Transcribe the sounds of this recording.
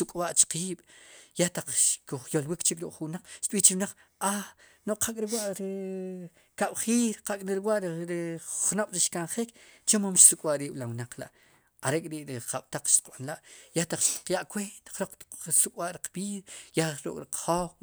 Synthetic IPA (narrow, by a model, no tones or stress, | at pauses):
sukʼwaʔt͡ʃqiːɓ̥jaht̪aq͡χʃkuχjolwikt͡ʃikɾukʼχuwnaq͡χʃt̪ɓiːht͡ʃiɾwnaq͡χ | a | noʔqʰakʼɾiwaʔɾi | kaɓ̥χiːɾqakʼɾiɾiwaʔɾiɾiχnoɓ̥ɾiʃkanχikt͡ʃomamʃsukʼwaʔɾiːɓ̥lawnaq͡χla̰ʔ | aɾeʔkʼɾiʔɾiqaɓ̥t̪aq͡χʃt̪i̥qɓanlaʔjaht̪aq͡χʃt̪i̥qjaʔkwent̪ḁχɾoq͡χt̪sukʼwaʔɾiq͡χbiːðajaɾṵkʼɾiqχoχ